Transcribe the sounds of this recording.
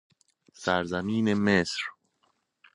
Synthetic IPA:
sæɾzæmiːnemesɾ

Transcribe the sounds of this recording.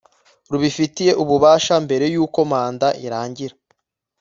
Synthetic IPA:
ɾuβifitije̞ʔuβuβaːʃambe̞ɾe̞juːko̞maːndaʔiɾaːɲɟiɾa

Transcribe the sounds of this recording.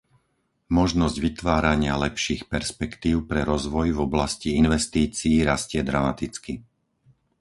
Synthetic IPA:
mɔʒnɔzɟʋit̪ʋaːɾaɲɪalɛpʃiːxpɛɾspɛkt̪iːʊpɾɛɾɔzʋɔjvɔblasciinʋɛst̪iːt͡siːɾascɪɛd̪ɾamat̪it͡ski

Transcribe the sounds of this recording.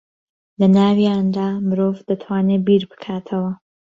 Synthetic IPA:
lɐnaːwijaːnd̪aːmɨɾoːvd̪ɐt̪ʰwaːnebiɾbɨ̥kʰaːt̪ʰɐwɐ

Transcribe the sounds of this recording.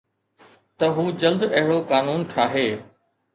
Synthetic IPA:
t̪ɐɦuːd͡ʑɐld̪ɐɦɪɽokaːnuːnʈʰaːɦeː

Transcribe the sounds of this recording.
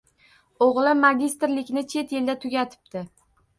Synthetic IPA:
oʁlˠɪmaɡʲist̪ɾlɪkʲnɪt͡ʃʰe̞t̪jeld̪at̪ʰʊɡʲat̪ʰɪ̥p̚t̪ɪ

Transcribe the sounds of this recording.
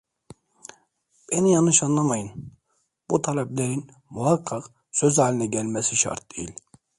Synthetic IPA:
b̥enijanɯʃanlˠamajɯn | b̥ut̪ʰalʲɛplʲeɾin | muɦaqʰːɑq | søzaːlʲinɛɟælʲmɛsiʃa̰ɾt̪̚d̪ejilʲ

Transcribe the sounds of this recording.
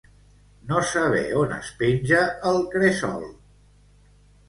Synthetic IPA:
nosəβ̞ɛ̰onə̰spinʲʒəəlˠkɾesɔ̰lˠ

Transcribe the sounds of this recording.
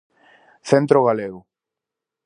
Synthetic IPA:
θent̪ɾoɣ̞aleɣʊ

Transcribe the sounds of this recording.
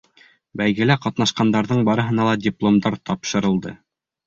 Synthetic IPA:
bæjɡɘ̆læqɑt̪nɑʃqɑnd̪ɑɾðɤɴbɑɾɤ̆ɦɤ̆nɑlˠɑdʲiplˠomd̪ɑɾt̪ʰɑpʃɤ̆ɾɤ̆lˠd̪ɤ

